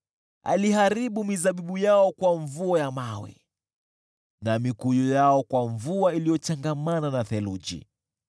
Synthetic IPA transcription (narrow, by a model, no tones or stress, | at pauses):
a̰lihaɾiɓumizaɓiɓujaɔkwaɱvuajamawiɛ̰ | namikujɔjaɔkwaɱvuailijɔt͡ʃaŋɡamananaθɛlud͡ʒḭ